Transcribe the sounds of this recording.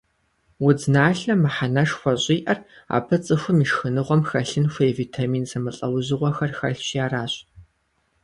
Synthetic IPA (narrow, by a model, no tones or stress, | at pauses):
wʊd͡znaːɬɐmɨħanɐʂxʷɔɕʼiːʔɐra̰ːpʰɐt͡sʼɨxʷʊmiʃxɨnɨʁʷɔmxɐɬɨnxʷeviːtʰamiːnsɐmɐɬʼɐwʑɪʁʷɔxɐrxɐɬɕjaːraːɕ